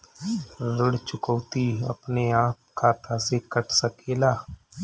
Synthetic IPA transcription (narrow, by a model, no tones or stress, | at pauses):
ɾəɽt͡ʃʊkəʋt̪iə̰pneaːp̚kʰat̪aːsekəʈʰsəkeːlaː